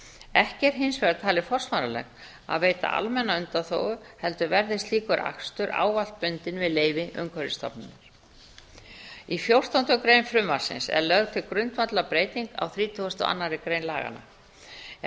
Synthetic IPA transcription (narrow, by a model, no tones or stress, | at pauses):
ɛhcɛɾ̥ɦɪnsvɛɾat̪ʰaːlɪfɔr̥smaɾalɛ̰x | a̰ðveːjt̪a̰ʔa̰lmɛnːaʏnt̪aθo̰ːwɣʏ | hɛlt̪ʏvɛɾðɪst̪liːkʏɾʔa̰kst̪ʏɾʔa̰ːwval̥t̪̚pʏnt̪ɪnvɪðleːjvɪʔʏ̰ŋkʰvœɾɪst̪ɔ̰pnʏnːaɾ̥ | ifjowr̥t̪awnt̪ʏkɾeːjnfɾʏmvaɾ̥sɪ̰nsɛ̰ɾlœɣt̪ʰɪlkɾʏnt̪mat̪lapɾeːjt̪iŋka̰wθɾiːt̪ʰuast̪ɔa̰nːaɾɪkɾejnla̰ːɣa̰na̰